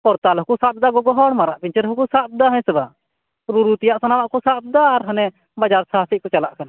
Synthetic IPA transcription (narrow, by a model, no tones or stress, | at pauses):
kɔɾt̪alɔɦkusat̪̚d̪aɡɔɡɔɦɔɽmaɾaʔpiɲt͡ʃɛɾɦɔkɔsat̪̚d̪aɦɛ̃sɛba | ɾuɾut̪ijaʔsanawaʔkɔsat̪̚d̪aːɾɦanɛ | bad͡ʒaɾsaɦasikɔt͡ʃalaʔkana